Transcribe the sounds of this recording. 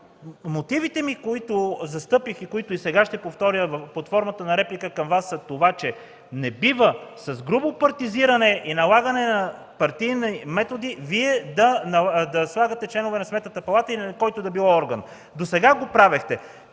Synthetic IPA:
mot̪ivit̪ɛmikoit̪ʊzɐst̪ɤpixikoit̪ʊisɛɡaʃt̪ɛpoft̪ɔɾjəvpɐt̪fɔɾmət̪ənɐɾɛplikəkɐmvasːɐt̪ovat͡ʃɛ | nɛbivəsɐzɡɾubopɐɾt̪iziɾɐnɛʔinɐlˠaɡɐnɛnɐ | pɐɾt̪ijnɛmɛt̪od̪iviɛd̪ɐnɐd̪ɐslˠaɡɐt̪ɛt͡ʃlɛnovɛnɐsmɛt̪nət̪əpɐlˠat̪əikɔjt̪od̪ɐbilˠɔɔɾɡən | d̪osɛɡaɡopɾavɛxt̪ɛ

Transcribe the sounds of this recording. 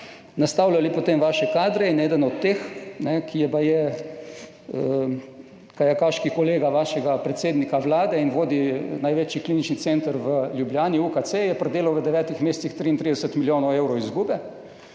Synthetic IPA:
nast̪aːwlalipot̪eːmʋaːʃɛkaːd̪ɾɛinɛːd̪ənɔt̪ːeːxnɛkʰijɛpajɛ | kajɛkaʃkikɔleːɡaʋaʃɛɡapɾɛt̪seːd̪nikaʋlaːd̪ɛinʋoːd̪inajʋet͡ʃjikliːnit͡ʃnit̪seːnt̪əɾʋəlʲjubljaːniukat̪sejɛpɾɛd̪eːlawʋəd̪ɛʋɛːt̪ixmeːst̪sixt̪ɾiint̪ɾiːd̪ɛsət̪miljoːnɔwewɾɔwizɡuːbɛ

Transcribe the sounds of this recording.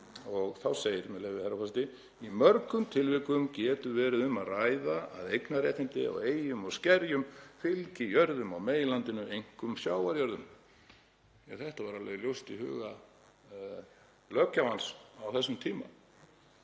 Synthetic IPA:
ɔɣθawseːjɪɾmɛleːvɪhaɾafast̪ɪ | imœɾkʏmt̪ʰɪlvɪkʏmcɛːt̪ʏvɛːɾɪðʏmaðrajðaa̰ðejknarɛːt̪ɪnt̪ɪɔ̰ɣeːjʏmɔɣscɛɾjʏmfɪlcɪjœɾðʏmawmeːjlant̪ɪnʏejŋ̥kʏmsjaːwvaɾjœɾðʏm | aθɛht̪avaɾalvɛjɪljowst̪ihʏ̰ːɣa | lœːcavansawθɛsːʏmt̪ʰiːma̰

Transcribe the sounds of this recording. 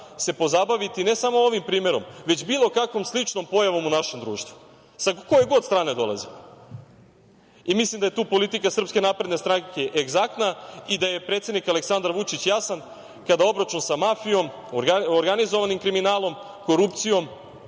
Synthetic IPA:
se̞po̞zabaʋit̪ine̞samo̞oʋimpɾiːme̞ɾo̞mʋe̞t͡ɕbilˠo̞kakʋo̞mslˠit͡ʂno̞mpo̞jaʋo̞munaʃe̞md̪ɾuːʃt̪vu̥ | sakojeɡo̞d̪st̪ɾaːne̞d̪o̞lˠa̰zi | imislimd̪ajt̪uːpo̞lit̪ikasr̩pske̞naːpɾe̞d̪ne̞st̪ɾaŋkeʔeɡzak̚t̪naid̪aje̞pɾet̪se̞d̪nikale̞ksand̪aɾʋut͡ʃit͡ɕjasan | kad̪ao̞bɾat͡ʃunsamafijo̞m | aoɾɡanizoʋanimkɾiminaːlo̞m | ko̞ɾupt̪sijo̞m

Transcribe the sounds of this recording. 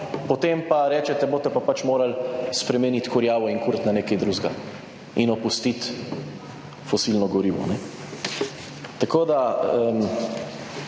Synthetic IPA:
pot̪empaɾɛːt͡ʃɛt̪ɛboːt̪ɛpapat͡ʃmoːɾalspɾɛmɛnit̪kɔɾjaːʋɔiŋkuɾt̪naneːkɛjd̪ɾuːzɡa | inɔpust̪it̪ | fɔsilnɔɡɔɾiːʋɔ̰nɛ | t̪akoːd̪aəm

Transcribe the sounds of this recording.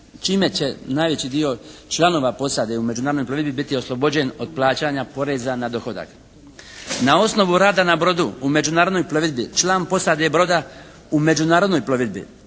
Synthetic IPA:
t͡ʃiːme̞t͡ɕe̞naːjʋe̞t͡ɕid̪io̞t͡ʃlˠano̞ːʋapo̞sad̪e̞ume̞d͡ʑunaːɾd̪nojplo̞ʋid̪bibit̪io̞slˠo̞bo̞d͡ʑe̞no̞d̪̚plˠaːt͡ɕaːɲapo̞ɾe̞zanad̪o̞xo̞d̪a̰k | nao̞sno̞ʋuɾaːd̪anabɾo̞d̪uume̞d͡ʑunaːɾod̪no̞jplo̞ʋid̪bit͡ʃlˠaːnpo̞sad̪ebɾo̞d̪a | ume̞d͡ʑunaːɾo̞d̪nojploʋid̪bḭ

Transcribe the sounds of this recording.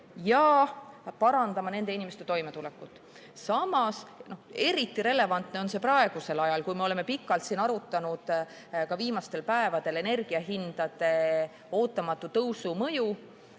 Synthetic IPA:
jɑ | pɑɾɑnd̪ɑmɑne̞nd̪einimest̪e̞t̪o̞jme̞t̪ulɛkːˑut̪ːˑ | sɑmɑsnohe̞ɾit̪ːˑiɾe̞le̞vɑnt̪ne̞o̞nse̞prɑeɡ̥use̞lɑjɑlkujmeo̞le̞me̞pikːˑɑlt̪siːnɑɾut̪ːˑɑnud̪̥ | kɑviːmɑst̪e̞lpæe̞vɑd̪̥e̞le̞ne̞rɡ̥iɑɦind̪̥ɑd̪̥e̞ | o̞ːt̪ːˑɑmɑt̪ˑːut̪ɤwsumɤju

